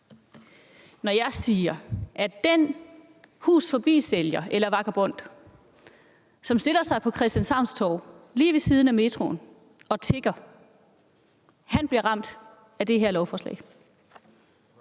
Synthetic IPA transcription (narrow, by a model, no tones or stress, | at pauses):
nɒjɑ̈ɪsiːɐʔæd̥en | hṵːsfɒ̽b̥ḭːseljɐʔelɐʋɑ̈ɡ̥ɐb̥ɔ̽n̰d̥ | sɒ̽msd̥e̝lɐsɑ̈ɪpʰɒ̽kʰʁɛsd̥jænshɑ̈ʊ̰nst͡sʰɒʊ̰liːʋe̝siːð̞ˠn̩æme̝d̥ʰʁo̝̰ːn | ɒ̽t͡sʰe̝ɡ̥ɐ | hænb̥liɐʁɑ̈m̰d̥ | æd̥e̝ɦeɐlɒʊfɒːslɛ̰ɪ